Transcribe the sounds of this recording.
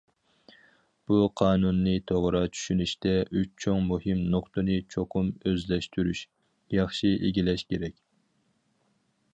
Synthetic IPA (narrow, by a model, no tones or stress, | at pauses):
b̥uqʰɑːnunːɨt̪ʰoʁɾɑt͡ʃʰy̥ʃynyʃt̪ɛʔyt͡ʃt͡ʃʰoŋmuhɨmnoqt̪ɨnɨt͡ʃʰoqʰumøzlɛʃt̪ʰyɾyʃ | jɑχʃiʔeɡʲilɛʃkʲʰeɾɛkʲ